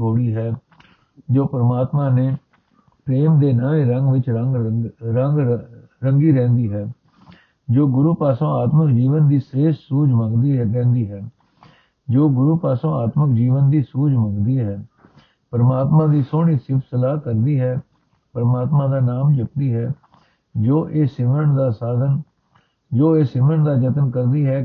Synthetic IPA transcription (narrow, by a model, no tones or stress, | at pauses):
oːɽiːɦɛː | d͡ʒoːpəɾmaːt̪mãːneː | pɾeːmd̪eːnəːẽːɾəŋɡʋɪt͡ʃəɡɾəŋɡ | ɾəŋɡiːɾɛ̃ːnd̪iːɦɛː | d͡ʒoːɡʊɾuːpaːsõːaːt̪məkd͡ʒiːʋənd̪iːseːʃsuːd͡ʒməŋɡd̪iɾɛ̃ːnd̪iːɦɛː | d͡ʒoːɡʊɾuːpaːsõːaːt̪məkd͡ʒiːʋənd̪iːsuːd͡ʒmə̃ŋɡd̪iːɦɛː | pəɾmaːt̪mãːd̪iːsoːɳ̃iːsɪpsəlaːkəɾd̪iːɦɛː | pəɾəmaːt̪mãːd̪aːnaːmd͡ʒəp̚d̪iːɦɛː | d͡ʒoːʔeːsɪməɳd̪aːsaːd̪ən | d͡ʒoːeːsɪməɳd̪aːd͡ʒət̪nkəɾd̪iːɦɛː